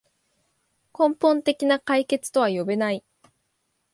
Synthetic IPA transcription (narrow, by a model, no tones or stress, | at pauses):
kõ̞mpõ̞nt̪e̞kʲinakaike̞t͡sɨ̥t̪o̞βajo̞benai